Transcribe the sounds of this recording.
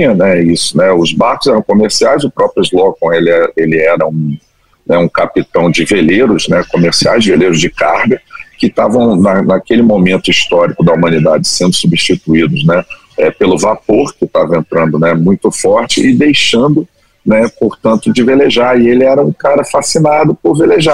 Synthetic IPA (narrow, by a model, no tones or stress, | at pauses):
ĩɲɐnɛisʊ̥nɛʊzbaɾkʊzɛɾɐ̃w̃komeɾsiajzʊpɾɔpɾjʊzlokõelɪɛɐelɪɛɾɐũ | nɛũkapit̪ɐ̃w̃d͡ʒɪveleɾʊznɛkomeɾsiajzd͡ʒɪveleɾʊzd͡ʒɪkahɡɐkɪt̪avɐ̃w̃nɐnakelɪmomẽnt̪ʊist̪ɔɾikʊd̪ɐumɐ̃nid̪ad͡ʒɪsẽnd̪ʊsubiʃt͡ʃit̪uid̪ʊznɛ | ɛpelʊvapoɾkɪt̪avɐẽnt̪ɾɐ̃nd̪ʊnɛmũj̃t̪ʊfɔɾt͡ʃɪ̰ɪd̪ejʃɐ̃nd̪ʊ | nɛpoɾt̪ɐ̃nt̪ʊd͡ʒɪveleʒaɾɪelɪɛɾɐũkaɾɐfasinad̪ʊpʊɾveleʒa